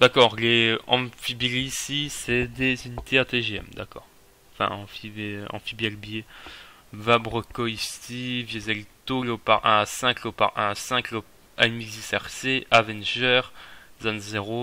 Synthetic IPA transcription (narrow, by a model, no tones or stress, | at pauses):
d̪̥akɔːʁleɑ̃fibiʁisisɛd̪ezynit̪ʰeat̪eʒeɛ̰md̪akɔːʁ | ɑ̃fɛ̰̃ɑ̰̃fieɑ̰̃fibjɛlbje | vabʁɔkɔist̪ʰivjezɛlt̪olopa̰ʁʔɛ̃asɛ̃klopa̰ʁɛ̃sɛ̃klo | amizisɛʁseavɛnʒɛʁzanzeʁo